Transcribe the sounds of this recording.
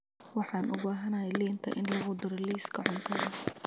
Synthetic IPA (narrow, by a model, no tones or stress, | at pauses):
wɑħɑːnʔʊbaːɦɐnɐjɛjliːnt̪ʰɐ̰ʔɪnlɐɣʊd̪ʊɾɐliːskʰɐʕʊnt̪ʰɐðɐ